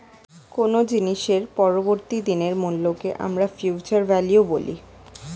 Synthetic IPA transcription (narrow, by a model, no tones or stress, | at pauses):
konod͡ʑiniʃeɾpɔɾoboɾt̪id̪ineɾmullokeʔa̰mɾafjut͡ɕaɾvɛljubolḭ